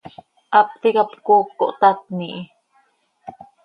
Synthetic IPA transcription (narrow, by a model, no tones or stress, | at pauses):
ʔap̚t̪ikapkuːkːo̰ʔt̪at̪niʔi